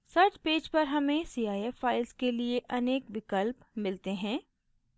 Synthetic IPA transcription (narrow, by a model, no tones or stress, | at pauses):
sɐɾʈpeːd͡ʒpɐɾɦɐmẽsiːaːjɛːfːaːɪlskelieʔɐneːkʋɪkəlp | mɪlt̪eɦɛ̃ː